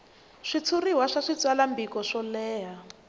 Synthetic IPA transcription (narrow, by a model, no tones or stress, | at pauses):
ʂit͡sʰuriwaʂaʂit͡swalambikɔʂɔlɛːɦa